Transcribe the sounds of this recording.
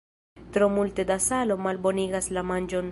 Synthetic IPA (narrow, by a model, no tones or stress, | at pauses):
tɾo̞multe̞dasalo̞malbo̞niɡaslamand͡ʒo̞n